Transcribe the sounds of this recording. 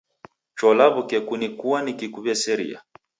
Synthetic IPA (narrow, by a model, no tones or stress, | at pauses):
t͡ʃɔlaβukɛkunikuanikikuβɛsɛɾḭa̰